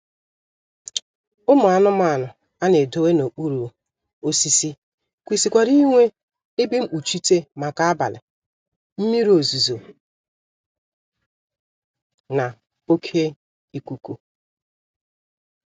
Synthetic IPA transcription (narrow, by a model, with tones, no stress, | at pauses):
ʊ˦mʊ˨a˨nʊ˦ma˨nʊ˨ | a˦ne˨do˦we˦no˨k͡pu˦ɾu˨ | o˦si˦si˦ | kʷi˨si˨kʷa˨ɾi˦ŋʷe˦ | e˦bi˦m̩˦k͡pu˨t͡ʃi˦te˦ma˨ka˦a˦ba̰˨lɪ̰˨ | m̩˦mi˦ɾo˨zu˨zo˨ | na˨ | o˦kʰe˦ | i˦kʷu˦ku˦